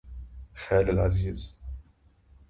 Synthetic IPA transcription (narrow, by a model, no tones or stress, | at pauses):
xæːləlʕaziːz̥